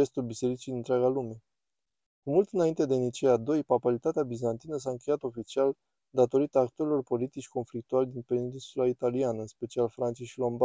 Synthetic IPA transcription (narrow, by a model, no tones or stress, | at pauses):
est̪ulbise̞ɾit͡ʃid̪int̪ɾʲeaɡalume̞ | kumult̪ɨnaint̪e̞d̪e̞nit͡ʃead̪o̞jpapaɾit̪at̪eabizant̪inəs̬aɨŋkʲe̞jat̪o̞fit͡ʃial | d̪at̪o̞ɾit̪aːkt̪uaɾilo̞rpo̞lit̪it͡ʃʲko̞nflik̚t̪ualʲd̪inpeɾid̪insulait̪alianəɨnspe̞t͡ʃialfɾant̪sieʃilo̞mba